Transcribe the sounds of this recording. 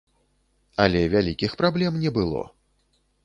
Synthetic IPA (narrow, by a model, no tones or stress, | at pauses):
ɐlʲɛvʲalʲikʲixpɾablʲɛmnʲɛbɨlˠɔ̰